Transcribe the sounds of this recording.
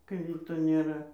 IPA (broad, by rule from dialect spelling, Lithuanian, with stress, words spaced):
kɐɪ ˈʋʲiːtoː nʲeːˈrɐ